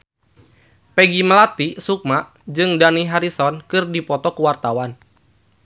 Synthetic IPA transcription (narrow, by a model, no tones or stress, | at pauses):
pɛɡimalat̪isuk̚maʔ | d͡ʒɨŋdaniɦaɾisɔnkɨrdipɔt̪ɔkuwart̪awan